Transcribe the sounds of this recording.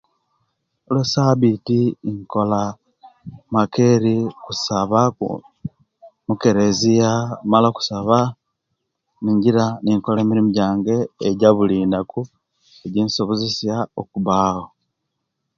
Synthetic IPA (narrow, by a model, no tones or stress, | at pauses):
olwesaβitiːŋko̞la | make̞ɾikusaβaṵ | muke̞ɾezijamalaku̥saβa | niːɲɟiɾaniŋko̞lemiɾimuɟaːŋɡe̞ːɟaβuliːnaku | eɟinsoβuzisjao̰kuβaːwo